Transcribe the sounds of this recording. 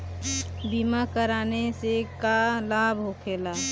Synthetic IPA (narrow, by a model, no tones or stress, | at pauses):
bimakəɾaːnesekalabʱɦokʰeːla